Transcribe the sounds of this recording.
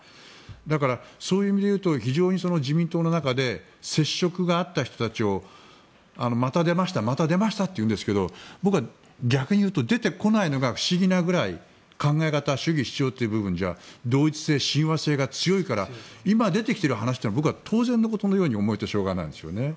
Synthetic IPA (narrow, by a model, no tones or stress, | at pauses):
d̪akaɾaso̞ːjɯ̟ːimʲid̪e̞jɯ̟ːt̪o̞çiʑo̞ːɲ̟iso̞no̞d͡ʑimʲĩnt̪o̞ːnonakad̪e̞ | se̞ɕːo̞kɯ̟ɡaːt̪ːaçi̥t̪o̥t̪at͡ɕio̞ | ano̞mat̪ad̪e̞maɕi̥t̪amat̪ad̪e̞maɕi̥t̪at̪ːeiɯ̟̃nd̪sɨ̥ke̞d̪o̞bokɯβa | ɡʲakɯ̟ɲ̟ijɯːt̪o̞d̪e̞t̪e̞ko̞naino̞ɡaɸɯ̟̥ɕiɡʲinaɡɯ̟ɾaḭ | kãŋɡae̞kat̪aɕɨɡʲiɕi̥t͡ɕio̞ːt̪ːeiɯbɯ̟bɯ̟̃ɲ̟d͡ʑa̰d̪o̞ːit͡sɨ̥se̞ːɕĩɰ̃βase̞ːɡat͡sɨjo̞ikaɾaimad̪e̞t̪e̞kʲi̥t̪eɾɯ̟hanaɕi̥t̪ːenbo̞k̬ɯβat̪ʰo̞ːzẽ̞nːo̞ko̞t̪o̞no̞jo̞ːɲ̟io̞mo̞it̪oɕo̞ːɡa̰na̰ĩd̪esɨjo̰ne̞